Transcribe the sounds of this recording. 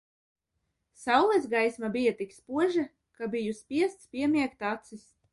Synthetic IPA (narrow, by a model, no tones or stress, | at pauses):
sawlˠɛzɡajsmabijat̪ikspuɔʒɛ | kabijuspʲiɛst̪spʲiɛmʲiɛkt̪at̪sis